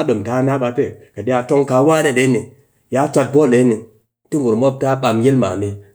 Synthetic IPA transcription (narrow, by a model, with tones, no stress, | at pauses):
a˦ɗo˨mta˨˦na˦ɓa˨pe˦˨ka˨ɗi˦a˧˨to˦ŋka˨˦wa˦ne˦˨ɗe˨˦ni˨ | ja˦t͡ʃʷa˧t̚bo˦˨le˨˦ni˨ | ti˦ŋɡu˨ɾmo˦p̚ta˦ɓa˨mje˦lma̰˨ni˨